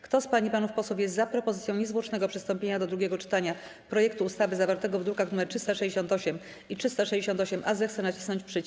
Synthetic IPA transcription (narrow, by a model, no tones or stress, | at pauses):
kt̪ɔspaɲipanufpɔswufʲjɛst̪zapɾɔpɔzɘsʲjɔ̃w̃ɲɛzvwɔt͡ʂnɛɡɔpʂɘst̪ɔmpʲjeɲad̪ɔd̪ɾuɡʲjɛɡɔt͡ʂɘ̥t̪aɲa | pɾɔjɛk̚t̪uːst̪avɘzavaɾt̪ɛɡɔvd̪ukaɣnumɛɾtʂɘst̪aʂɛd͡ʑeɕɔnt̪ɔɕɛm | itʂɘst̪aʂɛjd͡ʑeɕɔnt̪ɔɕɛmʔazɛxt̪sɛnat͡ɕi̥snɔɲt͡ɕpʂɘt͡ɕ